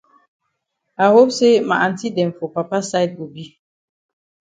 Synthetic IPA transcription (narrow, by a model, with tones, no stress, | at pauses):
a˨ho˦bse˦ma̰˨a˨n̩˨ti˦dɛ˨m˨fo˨pa˨pa˦sa˦jt̚ɡo˨bi˦